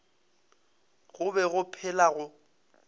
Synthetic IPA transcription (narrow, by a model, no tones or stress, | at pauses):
ɣʊbɛɣʊpʰɛlaɣʊ